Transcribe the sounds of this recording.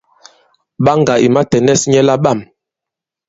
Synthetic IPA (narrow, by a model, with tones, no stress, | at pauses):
ɓa˦ŋɡa˨i˨ma˦tɛ˨nɛ˦˨sɲɛ˦la˦ɓa˦˨m